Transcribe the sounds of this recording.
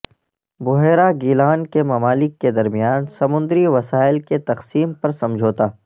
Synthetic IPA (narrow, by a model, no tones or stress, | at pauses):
bʊɦeːɾaɡiːlaːnkemɐmaːlɪkːed̪ɐɾmijaːnsɐmʊ̃nd̪ɾiʋɐsaːɪlket̪ɐqsiːmpɐɾsɐ̃md͡ʒʱoːt̪aː